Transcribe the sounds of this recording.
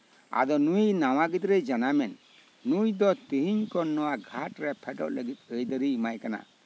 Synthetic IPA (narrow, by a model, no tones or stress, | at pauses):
a̰d̪ɔnujnaw̃aɡid̪ɾɛd͡ʒanamɛnː | ujd̪ɔt̪iɦiɲkɔnːɔwaɡʱaʈɾɛpʰɛʈɔ̰ʔləɡit̪̚əjd̪əɾiimajkana̰